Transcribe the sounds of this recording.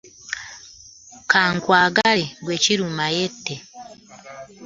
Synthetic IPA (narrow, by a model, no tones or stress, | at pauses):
kaːŋkwaːɡaleɡweːciɾumajetːe